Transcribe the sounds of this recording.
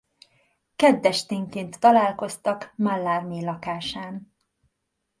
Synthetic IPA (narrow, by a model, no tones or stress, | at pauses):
kɛd̪ːɛʃt̪eːŋkeːnt̪ːɒlaːlko̞st̪ɒkmalːaːrmiːlɒkaːʃaːn